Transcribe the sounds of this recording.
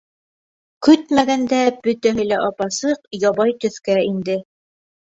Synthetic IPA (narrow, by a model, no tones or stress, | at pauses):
kɵt̪mæɣænd̪æb̥ɵt̪æɦɘ̆læʔɑpɑsɤqjɑβɑjt̪ɵ̆θkæind̪ɘ